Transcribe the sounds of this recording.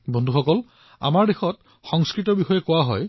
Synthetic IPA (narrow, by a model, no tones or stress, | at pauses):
bɔndʱuxɔkɔl | a̰maɹdexɔt | xɔŋskɹitɔbixɔjɛkʊwaɦɔj